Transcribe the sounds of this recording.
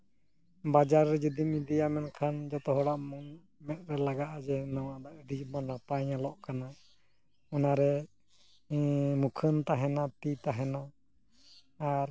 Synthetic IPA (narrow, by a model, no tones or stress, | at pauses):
bad͡ʒaɾːɛd͡ʒud̪imid̪ijamɛnkʰand͡ʒɔt̪ɔɦɔɽaʔmuŋ | mɛt̪̚ɾɛlaɡaʔd͡ʒɛnawad̪aʔəɖimɔnapaɲalɔʔkana | ɔnaɾɛ | mukʰənt̪aɦɛnat̪it̪aɦɛna | ɾ